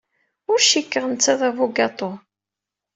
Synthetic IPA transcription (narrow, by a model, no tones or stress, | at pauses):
ʊɾʃikːəʁənt͡sːæðævuɡɑt̪ˤo